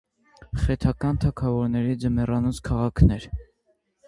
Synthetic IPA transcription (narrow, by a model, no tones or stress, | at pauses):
χɛt̪ʰɑkɑnt̪ʰɑkʰɑvɔɾnɛɾid͡zəmɛrɑnut͡skʰɑʁɑkʰnɛɾ